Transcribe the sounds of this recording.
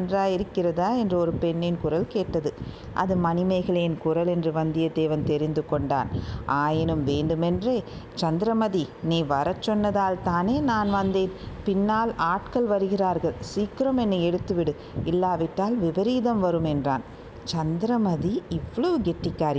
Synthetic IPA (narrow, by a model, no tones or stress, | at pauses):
ndraːjɪɾɯkːɪrɐðaːɛndrɐɔɾɯpɛɳːɪnkʊɾɐlkeːʈːɐðɯ | ʔɐ̰ðɯmɐnɪmɐɪɣɐɭeːnkʊɾɐlɛndrɯʋɐnd̪ɪjɐd̪eːʋɐnt̪ɛɾɪnd̪ɯkɔɳɖa̰ːnʔaːjɪnɯmʋeːɳɖɯmɛndreː | t͡ʃɐnd̪ɪɾɐmɐðiniːʋɐɾɐt͡ʃːɔnːɐðaːlt̪aːneːnaːnʋɐnd̪eːnpɪnːaːlaːʈkɐlʋɐɾɯɣɪraːɾɣɐɭsiːkːɪɾoːmɛnːɐɛɽɯt̪ːɯʋɪɽɯ | ɪlːaːʋɪʈːaːlʋɪbɐɾiːðɐmʋɐɾɯmɛndra̰ːn | t͡ʃɐnd̪ɪɾɐmɐðiɪʋːɐɭoʋɯɡɛʈːɪkːaːɾ